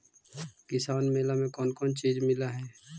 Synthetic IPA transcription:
kɪsaːnmeːlamẽkɔːnkɔːnt͡ʃiːd͡ʒmɪlaɦɛː

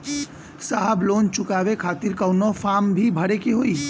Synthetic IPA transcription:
saːɦəbloːnt͡ʃʊkaːʋekʰaːt̪ɪɾkənɔfaːmbʱibʱɐɽekeɦoːiː

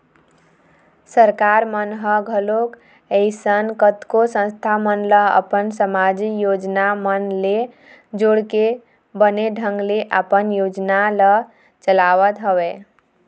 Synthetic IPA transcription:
səɾkaɾmənɦəɡʱəlok | eɪsənkət̪kosə̃nst̪ʰamənləə̰pənsəmad͡ʒikjod͡ʒnamənle | d͡ʒoɽke | bəneɖʱəŋɡleʔəpənjod͡ʒnalə | t͡ʃəlaʋət̪ɦəwɛ

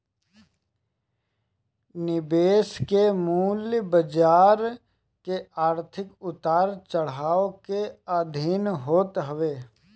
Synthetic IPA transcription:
nɪbeːskemuːljbəd͡ʒaːɾ | keaːɾt̪ʰɪkʊt̪aːɾt͡ʃəɽ̤aːokeaːd̪ʱiːnɦoːt̪ɦəʋeː

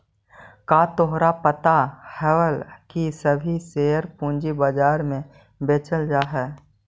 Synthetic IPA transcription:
kaːt̪oɦɾapət̪ahɛwəlkisəbʱiseːəɾpũːnd͡ʒibəd͡ʒaːɾmẽ | beːt͡ʃəld͡ʒaːɦɛː

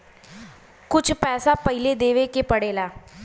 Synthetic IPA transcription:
kʊt͡ʃʰpɛːsapəɦiled̪eːʋekepəɽeːlaː

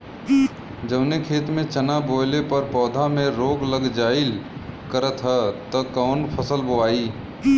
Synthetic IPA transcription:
d͡ʒəbnekʰeːt̪mẽt͡ʃənaboːlepəɾpɔːd̪ʱamẽɾoːɡləɡd͡ʒaːɪlkəɾət̪ɦɛt̪ɔkɔːnpʰəsəlboaːiː

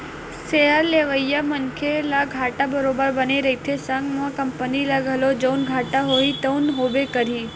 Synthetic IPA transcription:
sejəɾleːʋəjamənkʰelaɡʱaːʈabəɾobəɾbəneɾəit̪ʰesə̃ŋɡmãkəmpəniləɡəlod͡ʒəwnɡʱaːʈaɦoit̪əʊnɦoʋekəɾiː

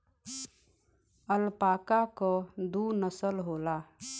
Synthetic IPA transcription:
əlpaːkakod̪uːnəsəlɦoːlaː

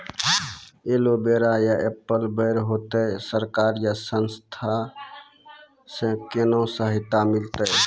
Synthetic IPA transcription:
elobeɾajaʔepːəlbəɪɾɦot̪əsəɾkaɾjasənst̪ʰa | sẽkenõsəɦɪt̪ːamɪlt̪əj

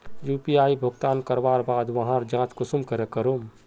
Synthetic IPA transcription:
juːpiaːibʱʊɡt̪aːnkəɾbaːɾbaːd̪ʋɐɦãɾd͡ʒãːt͡ʃkʊsumkəɾekəɾom

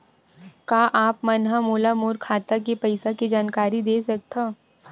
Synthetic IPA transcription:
kaːʔaːpmɐnɦamoːlamoːɾkʰaːt̪ak̬epɐɪsaked͡ʒaːnkaːɾid̪eːsɐk̚t̪ʰaː

